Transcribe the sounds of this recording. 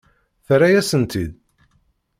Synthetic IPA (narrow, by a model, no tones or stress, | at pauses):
θɾajæsənt̪id̪